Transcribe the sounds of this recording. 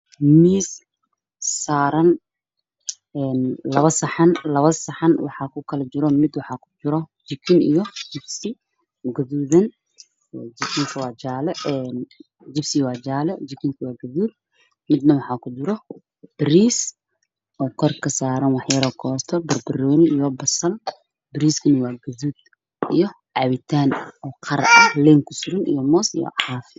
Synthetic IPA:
miːs | saːɾɐn | ɛːnlɐβɐsɐħɑnlɐβɐsɐħɑnwɑħɑkʰʊkʰɐlɐt͡ʃɪɾɔmɪd̪wɑħɑːkʰʊ̥d͡ʒɪɾɔd͡ʒɪkʰɪnḭjɔd͡ʒɪbsɪ | ɡɐðuːðɐn | ɔd͡ʒɪkʰɪŋkʰɐwɑːd͡ʒaːlɛɛːn | d͡ʒɪbsɪwɑːd͡ʒaːlɛd͡ʒɪkʰɪŋkʰɐwɑːɡɐðuːd̪̚ | mɪd̪nɐwɑħɑːkʰʊd̪ɪɾɔ | b̥ɪɾiːs | ʔɔːkʰɔrkʰɐsaːɾɐnwɑħjɐɾɔkʰɔːst̪ʰɔbɐrbɪrɔːnɪijɔbɐsɐn | bɪɾiːskʰɐnɐwaːɡɐðuːd̪ | ijɔ | ʕɑβɪt̪ʰaːnɔːqʰɑɾ̰ʔɐhlɛːŋkʰʊsʊɾɐnḭjɔmɔːsḭjɔ̰ʕɑf

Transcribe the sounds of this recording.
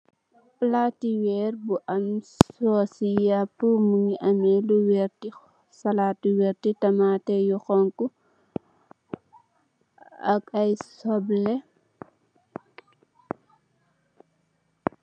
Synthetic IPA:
platiwɛrbuʔɐmsɔsijapːumuŋiʔɐmɛluwɛrti | sɐlatuwɛɾtitɐmaːtɛjuxɔŋku | ɐkɐjsɔblɛ

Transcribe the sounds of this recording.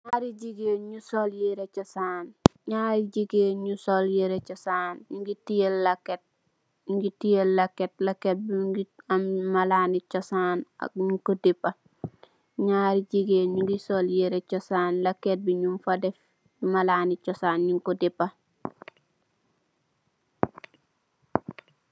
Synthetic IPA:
ɲaɾiɟiɡeːɲusoljeɾet͡ʃɔsaːnɲaːɾiɟiɡeɲusoljeɾet͡ʃɔsaːnɲuŋɡitijelːakːet̚ | ɲuŋɡitijelːakːet̚lɐket̚biɡiammalaːnit͡ʃɔsaːna̰k̚ɲiŋkɔdipːɐ | ɲaɾiɟiɡeːɲuŋɡisoljeɾet͡ʃɔsaːnlɐkːet̚biɲumfadɛf | malaːnit͡ʃɔsaːnɲiŋkɔdipːɐ

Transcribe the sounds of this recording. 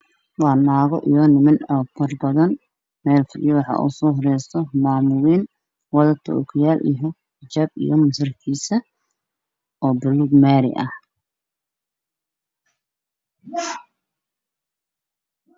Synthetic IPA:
wɑːnaːɣɔ̰ʔḭjɔːnɪmɪnɔːfʰɐrbɐðɐn | mɛːlfɪlɪjɔwɑħɑ̰ːʔṵːsɔːɦɔɾɛjst̪ɔmaːmʊliːn | wɑðɐt̪ʰɔ̰ːkʰɪjaːlʔḭjɔ | ħɪt͡ʃaːb̚ḭjɔmɐsɪrk̪ʰiːsɐ | ʔɔːbʊluɡmaːɾɪ̰ʔɐh

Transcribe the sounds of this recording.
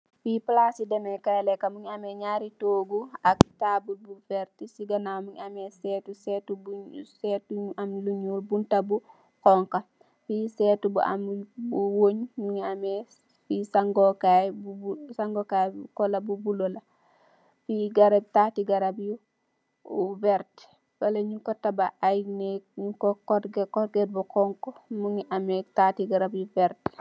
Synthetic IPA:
fiplasidɛmɛkajlɛkamuɲamɛɲaːɾitoːɡuaktabulbufɛɾtisiɡanamuŋamɛsɛtusɛtubusɛtuamluɲulbuntabu | kɔŋka | fisɛtubṵa̰mbuwoɲmuɲamɛ | fisaŋɡokajbubsaŋɡokajkɔlabubulola | fiɡaɾab̚taːtiɡaɾabju | vɛɾt | faleɲukɔtabaʔajnekɲukokɔɡkɔɾɡed̚bukɔːŋkomuŋiʔametatiɡaɾabjuvɛɾt

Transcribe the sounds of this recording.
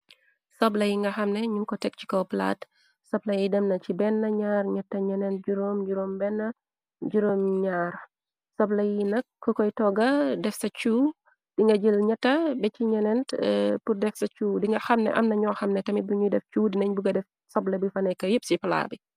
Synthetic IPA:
sɔblɐjiŋɡɐxɐmnɛɲuŋkɔtɛk̚t͡ʃi̥kɔwpla̰ːt | sɔblɐjidɐmnɐt͡ʃibɛnːɐɲaːrɲɐtːɐɲɐnɛnɟuɾoːmd͡ʒuɾoːmbɛnːɐ | ɟuɾoːmɲaːɾ | sɔblɐjinɐkːɔkɔjtɔɡɐdɛfsɐt͡ʃuː | d̥iŋɡɐɟəlɲɐtːɐbɛt͡ʃiɲɐnɛntpurdɛfsɐt͡ʃuːdiŋɡɐxɐmnɛ̰ʔɐ̰mnɐɲɔːxɐmnɛtɐmit̚buɲudɛft͡ʃuːdnɐɲbuɡɐdɛf | sɔblɐbujfɐnɛkɐjəp̚sipɐla̰bi

